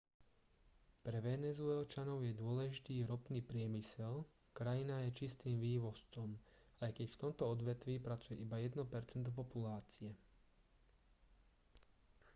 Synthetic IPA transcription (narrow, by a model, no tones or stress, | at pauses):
pɾɛʋɛnɛzuɛlt͡ʃanɔʊjɛd̪ʊɔlɛʒit̪iːɾɔpniːpɾɪɛmisɛl | kɾajinajɛt͡ʃist̪iːmʋiːʋɔst͡sɔm | ajkɛcft̪ɔmt̪ɔɔd̪ʋɛt̪ʋiːpɾat͡sujɛʔibajɛd̪nɔpɛɾt͡sɛnt̪̬ɔp̬ɔpulaːt͡siɛ